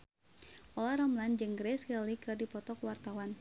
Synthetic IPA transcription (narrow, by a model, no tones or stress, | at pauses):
ʔɔlaɾɔmland͡ʒɨŋɡɾɛskəlikɨrdipɔt̪ɔkwart̪awan